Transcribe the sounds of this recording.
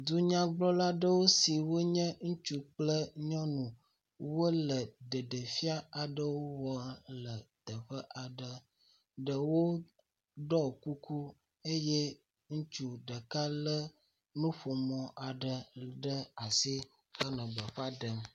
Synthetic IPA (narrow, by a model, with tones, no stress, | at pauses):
d̪u˦ɲã˦ɡ͡blɔ˦la˦ɖə˦wo˦si˨wo˦ɲə̃˦ŋũ˦t͡ʃu˦k͡plə˦ɲɔ̃˦nũ˨ | wo˦lə˨ɖə˨ɖə˨fi˦a˦a˨ɖə˦wo˦wɔ˨˦lə˨t̪ə˨ɸə˦ʔa˨ɖə˨ | ɖə˨wo˦ | ɖɔ˦˨ku˦kʰu˦ | e˦je˦ | ŋũ˦t͡ʃu˨ɖə˨ka˦lə˦ | nũ˦ɸo˨mɔ̃˨ʔa˨ɖə˨ɖə˦a˨si˦ | xə˦nə̃˨ɡ͡bə˨ɸa˦ɖə˨m